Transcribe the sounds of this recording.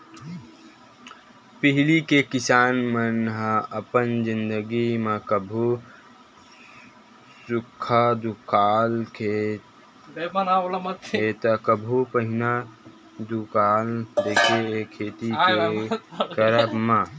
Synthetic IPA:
pɪɦlikekɪsaːnmənɦəəpənzɪnd̪əɡimekəbʱu | sukʰːad̪ukʰaːlkʰe | bənalamət̪et̪əkəbʱupəɦɪna | d̪ukaːld̪ekʰieekʰːeːt̪iekəɾəbmã

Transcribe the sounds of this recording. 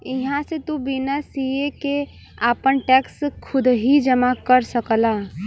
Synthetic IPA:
ɪɦãsẽt̪ubinəsieke | apənʈɛkskʰʊd̪ɦid͡ʒəmakəɾsəkəla

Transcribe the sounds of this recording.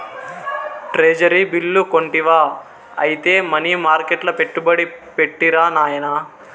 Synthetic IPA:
ʈɾeːd͡ʒɐɾibilːuko̞ɳʈiʋaː | ɐ̰jit̪e̞ːmɐniːmaːɾkeʈlɐpe̞ʈːubɐɽipeʈːiɾaːnaːjɐnɐ

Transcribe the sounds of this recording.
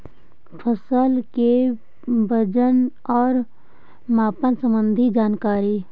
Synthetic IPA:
pʰəsəlke | bʱəd͡ʒən | ɔːɾ | maːpənsə̃mbə̃nd̪ʱid͡ʒaːnkaːɾiː

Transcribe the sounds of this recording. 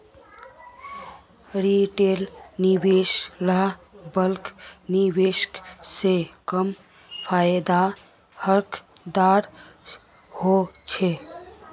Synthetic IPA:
ɾiʈelnibeslabəlknibesksekəm | pʰajd̪a | həɾkʰ | d̪aɾ | hot͡ʃʰe

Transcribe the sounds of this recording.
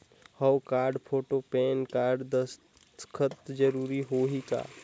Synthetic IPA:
həwkaːɾɖpʰoːʈopeːnkaːɾɖd̪əs | kʰət̪d͡ʒəɾuːɾiɦoːɦika̰ː

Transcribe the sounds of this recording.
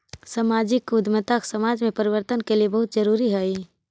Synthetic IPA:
samaːd͡ʒɪkʊd̪mət̪aksɐmaːd͡ʒmẽpɐɾɪʋəɾt̪ənkeliebɐɦʊt̪̚d͡ʒəɾuːɾiɦɛi

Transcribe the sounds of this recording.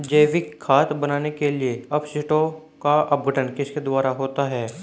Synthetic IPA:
d͡ʒeːʋɪkʰːaːt̪bɐnaːnekelieɐbsɪʈõ | kaɐp̚ɡʱəʈənkɪsked̪ʊwaːɾaɦoːt̪aɦɛː

